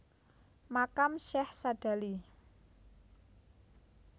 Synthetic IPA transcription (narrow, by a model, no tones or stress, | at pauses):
makamʃɛhsaɖ̥a̤li